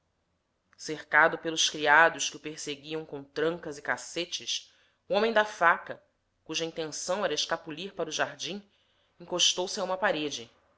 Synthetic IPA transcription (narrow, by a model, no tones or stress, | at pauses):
seχkad̪ʊpelˠʊskɾiad̪ʊskɪʊpeɾseɡiɐ̃w̃kõt̪ɾɐ̃ŋkɐzɪkaset͡ʃɪs | uõmẽj̃d̪afakɐ | kuʒɐĩnt̪ẽsɐ̃w̃ɛɾɐeʃkapuliɾpaɾʊʒaɾd͡ʒĩ | ĩŋkoʃt̪owsaũmɐpaɾed͡ʒɪ